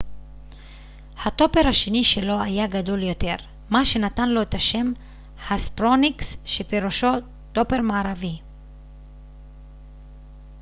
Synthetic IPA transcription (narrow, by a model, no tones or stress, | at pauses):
hat̪o̞pe̞ʁhaʃeniʃe̞lo̞ajaɡado̞ljo̞t̪e̞ʁ | maʃe̞nat̪anlo̞et̪aʃe̞m | haspʁoniksʃepeʁuʃo̞ | t̪o̞pe̞ʁmaːʁavi